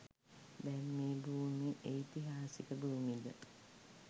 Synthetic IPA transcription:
bɛmːeːbuːmiʔeit̪iɦaːsikəbuumid̪ə̰

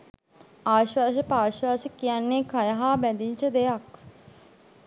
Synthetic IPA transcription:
aːʃwaːʃəpaːʃwaːsəkːijanːekʰajaɦaːbɛd̪iɲt͡ʃəd̪ejak

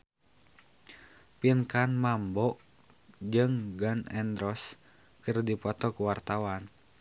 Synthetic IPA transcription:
pinkanmambɔʔ | d͡ʒɨŋɡanɛnd̪ɾɔs | kɨrdipɔt̪ɔkuwart̪awan

